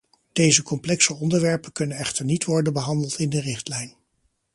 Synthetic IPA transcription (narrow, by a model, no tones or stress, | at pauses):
d̥ejzəkɔmplɛksəɔndəɹʋɛɹpəkɵnənɛχtəɹnitʋɔɹdənbəɦɑndəlˠtɪndərɪχtlɛjn